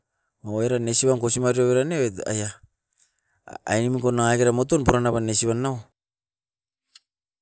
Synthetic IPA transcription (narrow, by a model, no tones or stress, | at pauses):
maeɾanesiβanko̞simaɾioβeɾaneeta̰ja | a̰jnimikonaŋaɡeɾamo̞tonpuɾanaβanesiβanːao